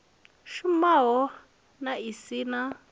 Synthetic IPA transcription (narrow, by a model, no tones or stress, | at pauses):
ʃumaɦɔ | naisiːna